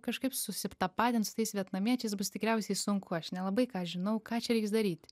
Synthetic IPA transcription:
kɐʃkɐɪpsʊsʲɪpt̪ɐpɑːd̪ʲɪnsʊ̥t̪ɐɪsʋʲiɛt̪nɐmʲiɛt͡ʃʲɛɪsbʊst̪ʲɪkɾʲɛʊsʲɛɪsʊŋkʊɐʃnʲɛlˠɐbɐɪkɑːʒʲɪnɐʊkɑːt͡ʃʲɛɾʲɛɪksd̪ɐɾʲiːt̪ʲ

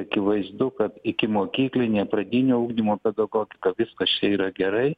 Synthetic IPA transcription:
ɐkʲɪʋɐɪzd̪ʊkɐt̪ɪkʲɪmoːkʲiːklʲɪnʲeːpɾɐd̪ʲɪnʲuːʊɡnʲimoːpʲɛd̪ɐɡoːɡʲɪkɐʋʲɪskɐst͡ʃʲɛiːɾɐɡʲɛɾɐɪ

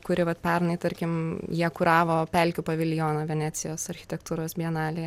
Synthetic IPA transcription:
kʊɾʲɪʋɐt̪pʲɛɾnɐɪt̪ɐɾʲkʲɪmjiɛkʊɾɑːʋoːpʲɛlʲkʲʊpɐʋʲɪlʲjoːnɐːʋʲɛnʲæːt̪sʲɪjoːsɐɾʲxʲɪ̥t̪ʲɛkt̪uːɾoːsbʲiɛnɑːlʲɪ

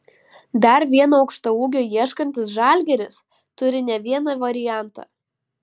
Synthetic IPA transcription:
d̪ɐɾʋʲiɛnoːɐʊkʃt̪ouːɡʲoːjiɛʃkɐnʲt̪ʲɪsʒɑˑlʲɡʲɛɾʲɪs | t̪ʊɾʲɪnʲɛʋʲiɛnɑʋɐɾʲɪjæˑnˑt̪ɑ̰

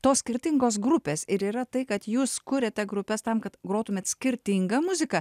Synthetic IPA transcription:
t̪oːsʲkʲɪɾʲt̪ʲɪŋɡoːs̬ɡɾʊpʲeːsɪɾiːɾɐt̪ɐɪkɐt̪juːskʊɾʲɛt̪ʲɛɡɾʊpʲɛst̪ɐmkɐt̪ɡɾoːt̪ʊmʲeːt̪sʲkʲɪɾʲt̪ʲɪŋɡɐmʊzʲɪkɐ

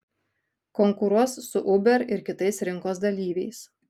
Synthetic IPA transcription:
kɔŋkʊɾuɔsːʊʔʊbʲɛɾɪɾkʲɪt̪ɐɪsɾʲɪŋkoːsd̪ɐlʲiːʋʲɛɪs

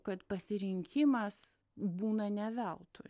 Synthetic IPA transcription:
kɐt̪pɐsʲɪɾʲɪŋʲkʲɪmɐs | buːnɐnʲɛʋʲɛlˠt̪ʊ

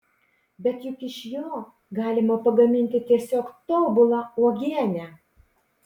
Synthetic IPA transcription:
bʲɛt̪jʊkɪʃjoː | ɡɑːlʲɪmɐpɐɡɐmʲɪnʲt̪ʲɪt̪ʲiɛsʲoːkt̪oːbʊlˠɑuɔɡʲiɛnʲɛ

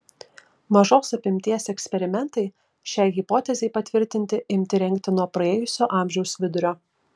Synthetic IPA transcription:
mɐʒoːsɐpʲɪmʲt̪ʲiɛsɛksʲpʲɛɾʲɪmʲɛnt̪ɐɪ | ʃʲɛɪɣɪpoːt̪ʲɛzʲɛɪpɐt̪ʲʋʲɪɾʲt̪ʲɪnʲt̪ʲɪʔɪmʲt̪ʲɪɾʲɛŋʲk̚t̪ʲɪnuɔpɾɐeːjʊsʲoːʔɑˑmʲʒʲɛʊsʋʲɪd̪ʊɾʲoː

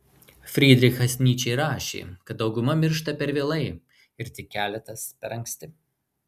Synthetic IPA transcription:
fʲɾʲiːd̪ʲɾʲɪxɐsʲnʲiːt͡ʃʲɛɪɾɑːʃʲḛːkɐt̪̚d̪ɒʊɡʊmɐmʲɪɾʃt̪ɐpʲɛɾʋʲeːlˠɐɪ | ɪɾt̪ʲɪkʲːæːlʲɛt̪ɐspʲɛɾɐŋksʲt̪ʲɪ

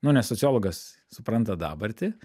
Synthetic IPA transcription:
nʊnʲɛssɔt͡s̪ʲɪoːlˠoɡɐs | sʊpɾɐnt̪ɐd̪ɑ̰ːbɐɾʲt̪ʲɪ

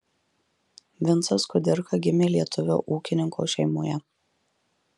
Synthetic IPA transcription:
ʋʲɪnt̪sɐskʊd̪ʲɪɾkɐɡʲɪmʲeːlʲiɛt̪ʰʊʋʲo̰ʔuːkʲɪnʲɪŋko̰ːʃʲɛɪmoːjɛ

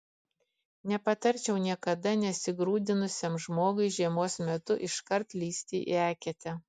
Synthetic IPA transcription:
nʲɛpɐt̪ɐɾʲt͡ʃʲɛʊnʲiɛkɐd̪ɐnʲɛsʲɪɡɾuːd̪ʲɪnʊsʲemʒmoːɡʊɪʒʲiɛmoːsmʲɛt̪ʊʔɪʃkɐɾt̪lʲiːsʲt̪ʲḭːʔæːkʲɛt̪ʲɛ

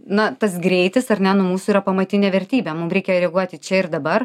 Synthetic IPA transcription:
nɐt̪ɐsɡɾʲɛɪt̪ʲɪsɐrnʲɛnʊmuːsʊiːɾɐpɐmɐt̪ʲɪnʲeːʋʲɛɾʲt̪ʲiːbʲɛmʊmɾʲɛɪkʲɛjɾʲɛɡuɔt̪ʲɪt͡ʃʲɛɪrd̪ɐbɐr

